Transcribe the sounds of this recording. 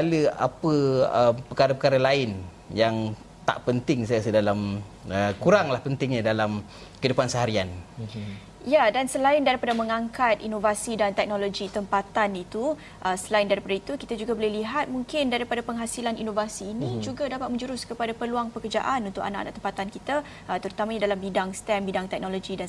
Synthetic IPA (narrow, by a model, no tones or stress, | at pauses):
ləa̰pəəpəkaɾapəkaɾalaɪn | jaŋ | t̪a̰ʔpənt̪ɪŋsajasədalaməkuɾaŋlahpənt̪ɪŋɲãdalam | kəidəpansəɦaɾian | jadansəlaɪndaɾipadaməŋaŋkat̪inovasidant̪ɛk̚noloɡit̪əmpat̪anit̪u | ʔəsəlaɪndaɾipadait̪ukit̪ad͡ʒuɡabolɛhliɦat̪̚muŋkɪndaɾipadapəŋɦasilaninovasiːnĩd͡ʒuɡadapat̪̚mə̃ɲd͡ʒuɾʊskəpadapəluaŋpəkərd͡ʒa̰ʔanunt̪ʊka̰naʔa̰na̰ʔt̪əmpat̪ankit̪a | ʔət̪əɾut̪amãɲadalambidaŋst̪ɛmbidaŋt̪ɛk̚nolod͡ʒidan